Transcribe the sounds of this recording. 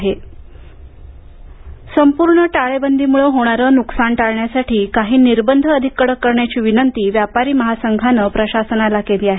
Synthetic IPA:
ɦe | səmpuɾɳəʈaɭebənd̪ʱiːmuɭəɦoɽ̃aɾəːnuksaɳʈaɭɳjasaʈʰiːkaɦiːniɾbənd̪ʱəːd̪ʱikːəɽəkːəɾɳjat͡ɕiːʋinənt̪iːʋjapaɾiːməɦasəŋɡʱanəpɾəɕasənalakeliːaɦ

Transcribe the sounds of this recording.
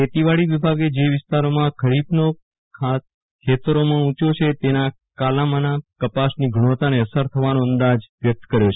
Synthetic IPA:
ket̪iʋaɭiʋibʱaɡed͡ʒeʋɪst̪aɾomãkʰəɾibno | kʰa | kʰet̪əɾomãũt͡ʃot͡ʃʰet̪ena | kalamanakəpasniɡʱəɽ̃ot̪aneəsəɾt̪ʰəʋanõənd̪ad͡ʒʋjək̚t̪kəɾjot͡ʃʰe̥

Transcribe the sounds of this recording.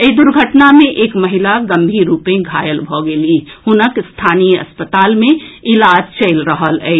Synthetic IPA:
əid̪ʊɾɡʱəʈnamẽʔeːkməɦilaɡə̃mbʱiɾuːpẽɡʱaːjəlbʱɔɡelihʊnəkst̪ʰaːnijəə̰spət̪aːlmẽɪlaːd͡ʒt͡ʃəɪlɾəɦəlɛɪ

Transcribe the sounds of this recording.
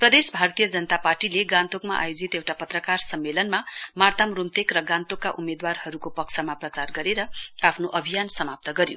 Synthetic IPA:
prʌd̪esbʱart̪ijʌd͡zʌnʌt̪aparʈileɡãnt̪okmaʔa̰jod͡zit̪ewʈapʌt̪rʌkarsʌmːelʌnmamart̪amrumt̪ekrʌɡãnt̪okːaʔumed̪warhʌɾukopʌksʰʌmaprʌt͡sarɡʌɾeɾʌapʰnoʔʌbʱijansʌmap̚t̪ʌɡʌɾjo̰

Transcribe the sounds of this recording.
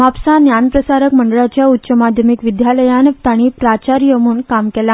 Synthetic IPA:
mapsanjanpɾəsaɾəkməɳɖəɭat͡ɕjaut̪ːɕəmad̪ʱjəmikʋid̪jaləjãnt̪aɽ̃iːpɾat͡ɕaɾjəmuːnkamkɛla

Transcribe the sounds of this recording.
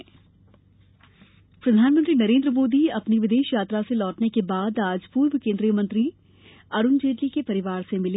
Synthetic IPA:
pɾɐd̪ʱaːnmə̃nt̪ɾinɐɾẽːnd̪ɾəmoːd̪iɐpniʋɪd̪eːʃjaːt̪ɾaselɔːʈnekebaːd̪aːd͡ʒpuːɾʋəkẽːnd̪ɾijəmɐ̃nt̪ɾi | ɐɾʊnd͡ʒeːʈlikepɐɾɪʋaːɾsemɪle

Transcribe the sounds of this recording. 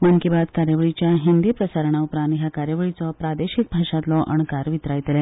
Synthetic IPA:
məŋkibad̪kaɾjəʋəɭit͡ɕjaɦind̪iːpɾəsaɾəɳ̃aupɾãnɦjakaɾjəʋɭit͡sɔpɾad̪eɕik̚bʱaʂat̪lɔʔəɳkaɾʋit̪ɾajt̪elɛ

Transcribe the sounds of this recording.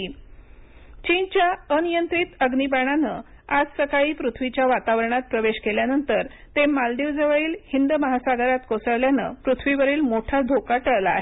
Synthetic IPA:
t͡ɕint͡ɕjaənijənt̪ɾit̪əɡnibaɽ̃anə | ad͡zsəkaɭiːpɾut̪ʰʋit͡ɕjaʋat̪aʋəɾəɳ̃at̪̚pɾəʋeɕkeljanənt̪əɾ | t̪emalɖ̪iʋd͡zəʋəɭiːlhind̪məɦasaɡəɾat̪kosəɭljanə̰pɾut̪ʰʋiʋəɾiːlmoʈʰad̪ʱokaʈəɭla̰ːɦe

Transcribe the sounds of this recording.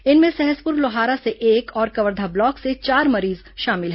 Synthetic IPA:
ɪnmẽsɛɦəspʊɾloɦaːɾaseʔeːkɔːɾkɐʋəɾd̪ʱablɔːkset͡ʃaːɾmɐɾiːz | ʃaːmɪlɦɛː

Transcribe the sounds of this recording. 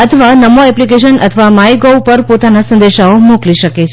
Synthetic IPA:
ət̪ʰəʋanəmoɛplikeʃənə̰t̪ʰəʋamajɡowpəɾpot̪anasə̃nd̪eʃaomukliʃəket͡ʃʰ

